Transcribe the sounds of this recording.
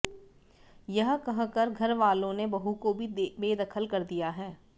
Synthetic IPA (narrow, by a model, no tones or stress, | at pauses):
jɐɦkɐɦkəɾɡʱɐɾʋaːlõnebɐɦukobʱibeːd̪ɐkʰəlkɐɾd̪ijaɦɛː